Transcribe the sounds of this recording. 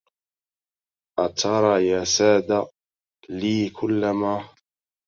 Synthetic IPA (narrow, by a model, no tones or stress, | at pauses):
ʔat̪ʰɑɾˤɑːjaːsaːd̪a | liːkʰʊlːamaː